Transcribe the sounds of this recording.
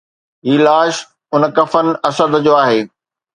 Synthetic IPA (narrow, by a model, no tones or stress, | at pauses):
ɦiːlaːʃ | ʊnkɐfənɪ̆ɐsəd̪d͡ʑoːaːɦeː